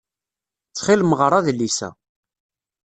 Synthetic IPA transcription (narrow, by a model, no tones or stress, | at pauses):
t͡sːχɪlməʁɾˤɑðlisæ̰